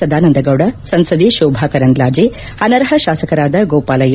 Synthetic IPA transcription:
ɐd̪ʱaːnɐnd̪ɐɡɐwɽɐsɐnsɐd̪iʃoːbʱaːkɐɾɐŋɡlaːd͡ʒi | hɐnɐɾɦɐʃaːsɐkɐɾaːd̪ɐɡoːpaːlɐjɐ

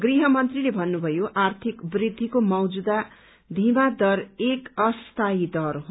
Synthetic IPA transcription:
ɡriɦʌmʌnt̪rilebʱʌnːubʱʌjoʔart̪ʰikbrid̪ʱːikomʌwd͡zud̪a | d̪ʱimad̪ʌrekʌst̪aid̪ʌrɦ

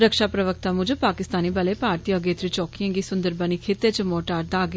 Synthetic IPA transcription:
ɾəkʃaːpɾəʋək̚t̪aːmʊd͡ʒpaːkɪst̪aːniːbəleːpaːɾt̪ijãɡeːt̪ɾit͡ʃɔːkijãːŋɡiːsʊnd̪əɾbəniːkʰeːt̪ːeːt͡ʃəmoːʈaːɾd̪aːɡ

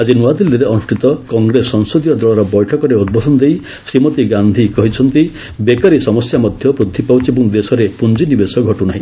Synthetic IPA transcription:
ad͡ʒinuad̪ild̪iɾeɔnusʈʰit̪ɔkɔŋɡɾesːɔŋsod̪ijɔd̪ɾɔɭɔɾɔbɔjʈʰɔkɔɾeud̪̚bɔd̪ʱɔnɔd̪ej | sɾimɔt̪iɡand̪ʱikɔɦit͡ʃʰɔnt̪i | bekaɾisɔmɔsjamɔd̪ʱjɔpɾud̪ʱʰipawt͡ʃʰibũŋd̪esɔɾepund͡ʒinibesɔɡʱɔʈunaɦĩ

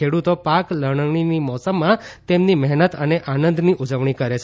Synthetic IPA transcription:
eɽut̪opakləɳ̃əɳinimɔsəmːãt̪emnimɛɦnət̪əneʔanənd̪ʱniʔud͡ʒəʋɳ̃ikəɾet͡ʃʰ

